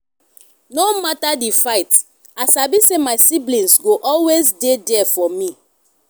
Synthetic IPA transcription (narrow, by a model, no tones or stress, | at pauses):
nomatadifaɪt | asabisemaɪsiblĩnsɡoʔɔlwezdedɛfɔmĩ